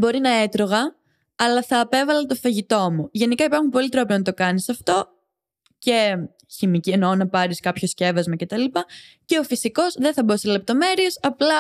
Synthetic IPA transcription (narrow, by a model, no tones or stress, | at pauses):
bo̞ɾinɐe̞t̪ɾo̞ɣɐ | ɐlɐθɐːpe̞vɐlet̪o̞fɐʝit̪o̞muʝe̞nikɐipɐɾxumpo̞lit̪ɾopionɐt̪o̞kɐnisɐft̪o̞ | ce̞ | çimicienonɐpɐɾiskɐpço̞sce̞vɐzmɐce̞t̪ɐlipɐ | ce̞o̞fisiko̞zðeθɐbosele̞p̚t̪o̞me̞ɾie̞sɐplɐ